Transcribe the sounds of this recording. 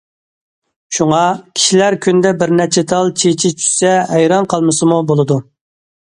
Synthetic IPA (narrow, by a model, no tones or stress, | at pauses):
ʃuŋɑkʲʰi̥ʃilæɾkʲʰynd̪ɛbɪɾnæt͡ʃʰɛt̪ʰɑlˠt͡ʃʰet͡ʃʰit͡ʃʰy̥sɛɦɛjɾɑnqʰɑlˠmɨsɨmubolˠɨd̪u